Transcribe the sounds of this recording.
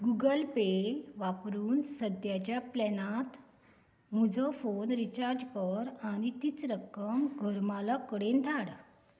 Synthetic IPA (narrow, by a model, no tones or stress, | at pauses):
ɡuɡəlpeʋapɾuːnsəd̪jat͡ɕjaplɛnat̪ | mud͡zʱɔfonɾit͡ɕaɾd͡ʑkəɾañit̪it͡sɾəkəmɡʱəɾmalakəɽend̪ʱaɽ